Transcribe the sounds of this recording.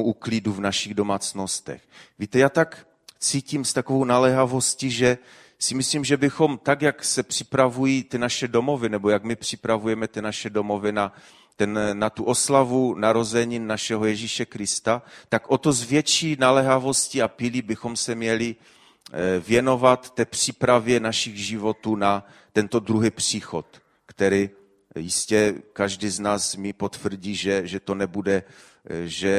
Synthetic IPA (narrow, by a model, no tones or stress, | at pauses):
ukliduvnaʃiɣdo̞maːt͡sno̞st̪ɛ̰xviːt̪ɛjaːt̪ak | t͡siːciːmst̪akovo̞wnalɛɦavo̞sciʒɛ | sɪmɪslimʒɛbɪxo̞mt̪akjaksɛpr̥ɪ̥pɾavujiːt̪ɪnaʃɛdomo̞vɪnɛbojaɡmɪpr̝̥ɪ̥pɾavujɛmɛt̪ɪnaʃɛdo̞mo̞vɪna | t̪ɛnːat̪uʔo̞slavunaɾo̞zɛɲinnaʃɛɦojɛʒiʃɛkɾɪst̪at̪akʔot̪ozvjɛt͡ʃiːnalɛɦavo̞sciapɪlibɪxo̞msɛmɲɛlɪ | vjɛno̞vat̪ːɛːpr̝̥ipɾavjɛnaʃɪɣʒɪvo̞t̪uːna | t̪ɛnt̪o̞d̪ɾuɦɪpr̝̥iːxot̪ | kt̪ɛɾɪ | jɪscɛkaʒdɪznaːsmɪpo̞t̪fr̩ɟiːʒɛʒɛt̪o̞nɛbudɛ | ʒɛ